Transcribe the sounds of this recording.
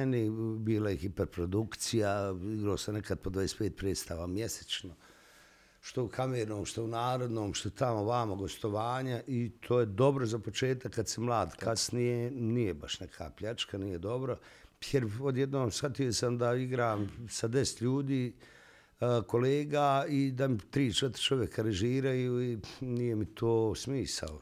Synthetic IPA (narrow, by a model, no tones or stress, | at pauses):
nibiːlajexipeɾpɾo̞d̪ukt̪sijaiɡɾoːsanekad̪̚pod̪ʋadespeːt̪̚pɾeːd̪st̪aːʋamjese̥t͡ʃno | ʃt̪o̞ukʰameːɾnoːmʃt̪ounaːɾo̞d̪no̞ːmʃt̪ot̪amoʋaːmaɡo̞st̪o̞ʋaːɲaʔit̪ʰoːjed̪o̞bɾozapo̞t͡ʃe̞ːt̪akːad̪semlˠaːd̪kasnijenijebaʃnekʰa̰ːpʎat͡ʃkanijed̪o̞bɾo | jeɾod̪jed̪noːmsxat̪ijo̞samd̪aiɡɾaːmsad̪e̞se̥t̪ʎuːd̪iː | ko̞leːɡaːid̪amit̪ɾiːt͡ʃet̪ɾi̥t͡ʃo̞ʋjekaɾeʒiːɾajuːinijemit̪ʰoːsmiːsa̰o